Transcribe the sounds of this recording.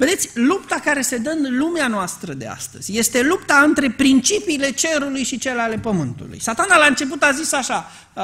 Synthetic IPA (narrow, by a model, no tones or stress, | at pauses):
ved̪e̞t̪sʲlupt̪akaɾe̞se̞d̪əɨnlumeanoast̪ɾəd̪e̞̰a̰st̪ə̰z̥ʲje̞st̪e̞lupt̪aɨnt̪ɾe̞pɾint͡ʃipiːle̞t͡ʃe̞ɾulujʃit͡ʃe̞leale̞pəmɨnt̪ṵlṵjsat̪analaɨnt͡ʃe̞p̬ut̪azisaʃa